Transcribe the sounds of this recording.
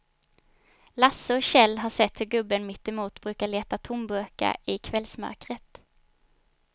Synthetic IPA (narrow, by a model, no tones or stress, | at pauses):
lasːəɔɕɛlːɦaʂɛt̪ːhɵɾɡɵbːənmɪt̪ːɛmuːt̪bɾʉ̟ːkaɭeːt̪at̪ʰʊmbøːka̰ɪkʰvɛlsmœ̰ɾkɾət̪